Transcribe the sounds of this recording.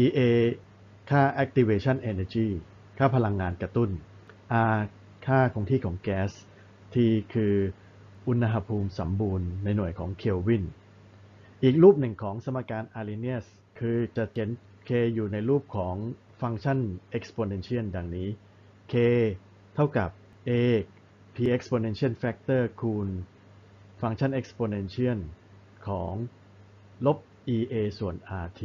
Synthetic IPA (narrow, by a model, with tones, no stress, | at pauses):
ʔiː˧ʔeː˧ | kʰaː˥˩ʔɛ˦k̚t̪ʰi˧weː˧t͡ɕʰa˥˩nʔeː˧naː˧t͡ɕiː˥˩ | kʰaː˥˩pʰa˧la˧ŋːaː˧nkɾa˧t̪u˥˩n | ʔaː˧ | kʰaː˥˩kʰo˧ŋt̪ʰiː˥˩kʰɔː˩˦ŋkɛː˦˥s | t̪ʰiː˧kʰɯː˧ | ʔu˧nːa˧ɦa˧pʰuː˧msa˩˦mbuː˧nːa˧jnu˨˩əjkʰɔ̰ː˩˦ŋkʰi˧wwi˥˩n | ʔiː˨˩k̚ɾuː˥˩p̚nɯ˨˩ŋkʰɔː˩˦ŋsa˧ma˧kːaː˧nʔaː˧li˧ni˥˩əs | kʰɯː˧t͡ɕa˨˩ke˨˩˦n | kʰeː˧juː˨˩na˧jɾuː˥˩p̚kʰɔː˩˦ŋ | fa˧ŋt͡ɕʰa˥˩nʔe˦˥k̚spoː˧ne˧nt͡ɕʰi˦˥˩ənda˧ŋniː˦˥ | kʰeː˧ | t̪ʰa˥˩wka˨˩p̚ | ʔeː˧ | pʰiː˧ʔe˦˥k̚spoː˧ne˧nt͡ɕʰi˦˥˩ə˨nfɛ˦˥k̚t̪ɤː˥˩kʰuː˧n | fa˧ŋt͡ɕʰa˥˩nʔe˦˥k̚spoː˧ne˧nt͡ɕʰi˥˩ən | kʰɔː˩˦ŋ | lo˦˥p̚ | ʔiː˧ʔeː˧su˨˩ənʔaː˧t̪ʰi˦˥